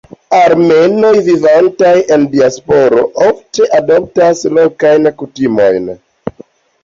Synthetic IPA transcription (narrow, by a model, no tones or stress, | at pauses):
aɾme̞no̞jvivantaje̞ndiaspo̞ɾo̞ʔofte̞ʔadop̚taslo̞kajnkutimo̞̰jn